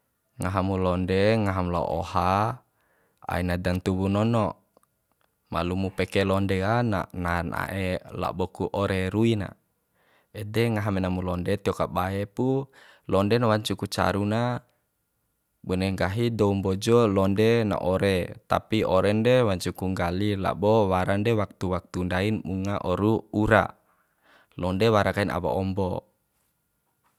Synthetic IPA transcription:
ŋaɦamulɔndɛŋaɦamla̰ʔɔ̰ha | a̰inadant̪uwunɔnɔʔ | ma̰lumupɛkɛlɔndɛana̰nana̰ʔela̰bɔkuʔɔɾɛɾuina̰ | ɛdɛŋaɦamɛnamulɔndɛt̪iɔkabaepu | lɔndɛnawaɲt͡ʃukut͡ʃa̰ɾuna | bɔnɛŋɡaɦidɔumbɔd͡ʒɔlɔndɛna̰ʔɔɾɛt̪a̰piɔɾɛndɛwaɲt͡ʃukuŋɡalila̰bɔwaɾandɛwak̚t̪uwak̚t̪undainmuŋaʔɔɾuuɾa̰ | lɔndɛwaɾakaina̰wa̰ɔmbɔ

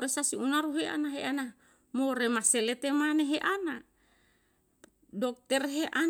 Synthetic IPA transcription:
ɾesasiunaɾuɦeʔa̰naɦeana | moɾemaselet̪emaneɦeʔana | dok̚t̪ɛrɦeʔa

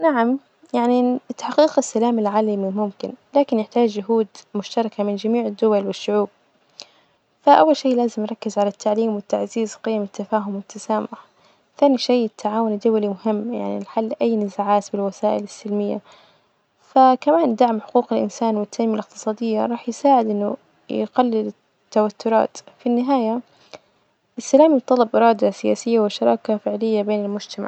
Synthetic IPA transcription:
naʕam | jaʕniɪt̪ːaħqiːqasːalaːmɪlʕaːlamimʊmkɪnlaːkɪnjɪħt̪aːd͡ʒːʊɦuːd̪mʊʃt̪ɑɾˤɑkamɪnd͡ʒamiːʕɪd̪ːʊwalwɪʃːʊʕuːb̚ | faʔawːalʃeːlaːzɪmnɾˤɑkːɪzʕalat̪ʰːaʕliːmwɪt̪ːaʕziːzqɪjːamɪt̪ːafaːɦʊmwɪt̪ʰːasaːmʊʕħa | θaːniʃeːɪt̪ʰːaʕaːwʊnd̪ʊwalimʊɦɪmːja̰ʕnḭlħalːʔajːnɪzaʕaːt̪bɪlwasaːʔɪlɪsːɪlmɪjːa̰ | fakamaːnd̪aʕmħʊ̥quːqɪlʔɪnsaːnwɪt̪ːaʔmːjalɪq̚t̪ɨ̥sˤɑːd̪ɪjːa̰ɾˤɑːħjɪsaːʕɪd̪ʔɪnːʊ̰ | j̰ɡalːɪlɪ | t̪ːawat̪ːʊɾˤɑ̰ːt̪finːɪɦaːja | ʔɪsːalaːmijbt̪ˤːɑlːɑbʔɪɾˤɑːd̪asɪja̰ːsɪjːawɪʃɑɾˤɑːkafɪʕlɪjːabeːnɪlmʊd͡ʒt̪ama̰ʕ

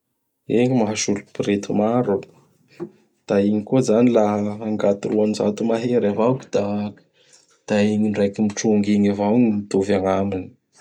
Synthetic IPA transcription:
eɲimaɦaʃulupiɾet̪umaɾu | d̪̥aiɲikozanilaɦːŋɡat̪iɾuaniza̰t̪umaɦeɾavawki̥d̪̥a | d̪̥aiɲinɖ͡ʐajkimiʈ͡ʂuŋɡiɲavawŋimit̪ovaŋamini̥

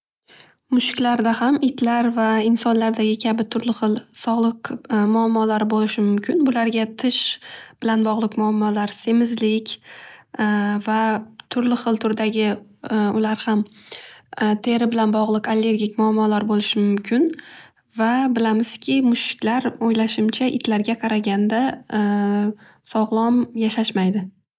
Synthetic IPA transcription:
mʊʃɪ̥kʲlaɾd̪ahamɪt̪ʰlaɾvaɪnsɒnlaɾd̪aɡʲɪkʲʰabɪt̪ʰʊɾlɪχɨlˠsɒʁlˠɨqmʊamːɒlaɾɪbolɪʃɪmʊmkʲɪnbʊlaɾɡʲat̪ʰɪʃb̥ɪlanbɒʁlˠɨqmʊamːɒlaɾse̞mɪzlɪkʲ | vat̪ʰʊɾlɪχɨlˠt̪ʰʊɾd̪aɡʲɪʊlaɾham | t̪ʰe̞ɾɪbɪlanbɒʁlˠɨqalːe̞ɾɡʲɪkʲmʊamːɒlaɾbolɪʃɪmʊmkʲʰɪn | vabɪlamɪz̥kʲʰɪmʊʃɪ̥kʲlaɾojlaʃɪmt͡ʃʰaʔɪ̰t̪ʰlaɾɡʲaqʰɑɾaɡʲand̪a | sɒʁlˠɒmjaʃaʃmajd̪ɪ

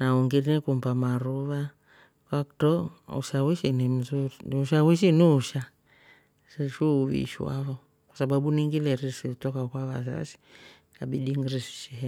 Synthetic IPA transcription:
nauŋɡinnikumbamaɾuβa | kaktɔṵʃawiʃinim̩zuɾinuʃawiʃ̬iniuʃa | siʃuβḭʃiwa̰βɔ | kwasaɓaɓuniŋɡilɛɾisiutɔkakwaβa̰sa̰si̥ | aɓiɗiŋɡiɾisi̥ʃihɛ

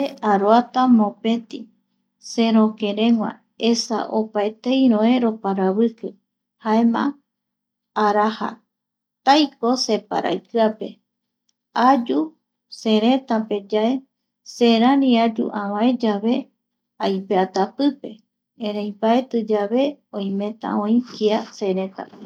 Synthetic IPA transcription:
eaɾoat̪amõ̞pẽ̞t̪i | se̞ɾoke̞ɾẽ̞ŋʷwã̰ | e̞sa̰ʔopaet̪ejɾõeɾo̞paɾaβɨkɨ | haemã̰ | aɾaha̰ | t̪ajkose̞pa̰ɾʔa̰jkɨape̞ | ad͡ʒu | seɾẽ̞t̪ãpe̞d͡ʒae̞ | seɾãnĩad͡ʒṵʔãβãẽd͡ʒaβe̞ | ajpeat̪apɨpe̞ | ẽɾejpaet̪ɨd͡ʒaβe̞õj̃mẽ̞t̪a̰õĩkiase̞ɾẽt̪a̰e

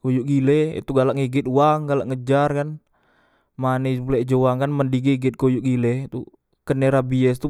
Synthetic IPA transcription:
kojuʔɡilɛḭt̪uɡalaʔŋiɡɪt̪uwaŋɡalaʔŋəd͡ʒarkan | manipulɛʔd͡ʒowaŋkanməndiɡiɡɪt̪̚kojuʔɡilɛt̪u | kəneɾabiɛst̪u

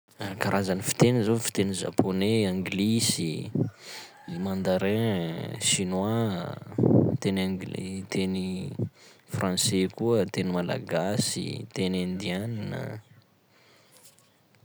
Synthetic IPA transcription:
kaɾʔazanifi̥t̪enizofi̥t̪eniza̰pʰoneãŋɡlisi | mãnd̪aɾɛ̃ʃinwa | t̪enaɡ̰t̪ʰeni | frɑ̃sekuət̪enimala̰ɡasḭt̪enãnd̪ianinə̰

